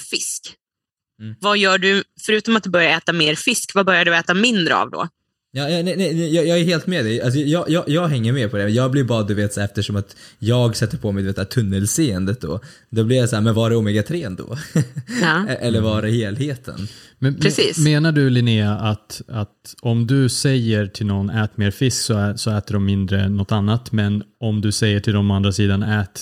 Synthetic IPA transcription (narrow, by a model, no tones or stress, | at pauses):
fɪsk̩ː | vajœːɖɵfœɾʉːt̪ɔmat̪̚d̪ɵbœɾjaɾɛːt̪ameːɾfɪskvabœɾjaɖɵɛːt̪amɪnd̪ɾə̰a̰vd̪ɔ̰ | jɑːjɑnɛnɛnɛjɑːjɑːɡɛɾɦeːlt̪mɛd̪ɛals̬ɔjɑːjɑːjɑːɡɦɛŋːəɾmeːpʰɔd̪ɛɛjɑːɡ̚blɪɾbɑːd̪d̪ɵveːt̪sæːɾɛft̪əʂɔmat̪jɑːɡsɛt̪ːəɾpʰɔmɛd̪veːt̪ːɾt̪ʰɵnːəlseːənd̪ət̪̚d̪ɔ̰ | d̪ɔblɪɾjasaæːɾmɛnvaɖɛuːmɛɡat̪ʰɾeːnd̪ɔ̰ | ʔɛlːəɾvɑɾɛheːlheːt̪ʰə̰nmɛnɾɛiːmeːnaɖɵlɪnɪaʔat̪at̪ɔmd̪ɵsɛjːəɾʈʰɪlnɔnːɛːt̪meːɾfɪsksɔsɔɛːt̪əɖɔmːɪnd̪ɾənɔt̪ːanːat̪mɛnɔmd̪ɵsɛjːəʈʰɪld̪ɔmɔand̪ɾasiːd̪anɛːt̪